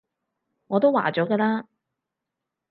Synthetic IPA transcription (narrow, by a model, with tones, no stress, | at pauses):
ŋɔː˨˧t̪o˥wa̰ː˨˩t͡ʃɔː˨˥kɛː˧laː˥